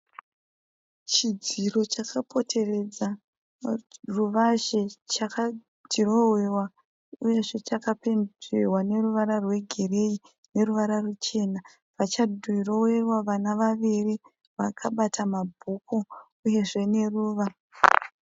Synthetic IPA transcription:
t͡ʃid͡ziro̞t͡ʃakʰapʰo̞tʰe̞re̞d͡za | ruʋaʒe̞t͡ʃaka | tiro̞we̞wa | uje̞ʐe̞t͡ʃakapenewane̞ruʋaɾarwe̞ɡʱe̞re̞i | ne̞ruʋaɾarut͡ʃe̞na | ʋat͡ʃadʱuiro̞we̞rwaʋanaʋaʋiri | ʋakʰaɓatʰamabʱuko | uje̞ʐe̞ne̞ruːʋa

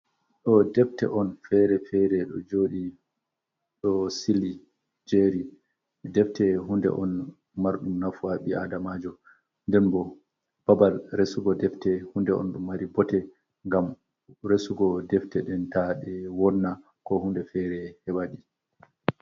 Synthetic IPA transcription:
ɗɔdɛftɛ̰ʔɔnfɛɾɛfɛɾɛɗɔd͡ʒoːɗi | ɗɔsili | d͡ʒeɾi | ɛdɛftɛɦundɛ̰ʔɔn | maɾɗumnafuaɓiadamad͡ʒɔ | ndɛnbɔ | b̥abalɾesuɡɔdɛftɛhundɛʔɔ̰nɗɔmaɾibɔtɛ | ŋɡam | ɾesuɡɔdɛftɛɗɛntaɗɛwɔnːa | kɔhundɛfɛɾɛhɛɓaɗi

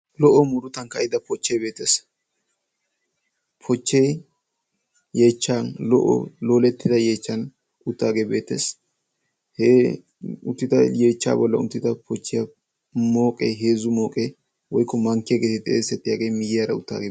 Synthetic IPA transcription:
lɔʔɔmʊɾʊt̪ɐnkɐɪd̪ɐpɔt͡ʃːɛjbe̞ːt̪ːes | pʰɔt͡ʃːej | jeːt͡ʃːanlɔ̰ʔɔ̰loːlɛt̪ːɪd̪ɐje̞ːt͡ʃːɐn | ʊt̪ːaːɡebeːt̪ːḛs | he | ʊnt̪ːɪt̪ɐje̞ːt͡ʃːa̰ːbɔlːɐ̰ʊ̰nt̪ːɪt̪ɐpɔt͡ʃːɪjɐ | mo̞ːkʼeɦeːzʊmo̞ːkʼe | wɔjkːɔmɐŋkːɪjɐɡet̪ɪt̪ʼeːsɛt̪ːɪjaːɡejmɪjɪjaɾɐʊt̪ːa̰ːɡe

